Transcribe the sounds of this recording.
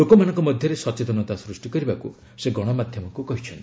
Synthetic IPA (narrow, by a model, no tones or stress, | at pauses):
lokɔmanɔ̃ŋkɔmɔd̪ʱjɔɾesɔt͡ʃet̪ɔnɔt̪asɾusʈikɔɾibakṵiseɡɔɽ̃ɔmad̪ʱjɔmɔŋkukɔɦit͡ʃʰɔnt̪i